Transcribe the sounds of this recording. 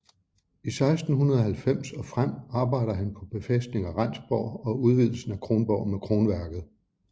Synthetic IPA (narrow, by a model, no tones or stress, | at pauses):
isɑ̈ɪsd̥n̩hunɐð̞ˠɒɦælfem̰sɒ̽fʁam̰ɑ̈ːb̥ɑ̈ɪ̰ɾ̥ɐɦænpʰɒ̽b̥e̝fesd̥ne̝ŋæʁɑan̰sb̥ɒʊ̰ɒ̽uð̞ˠʋið̞̰ˠl̩sn̩ækʰʁo̝ːnb̥ɒʊ̰mekʰʁo̝ːnʋæɐɡ̥ð̩ˠ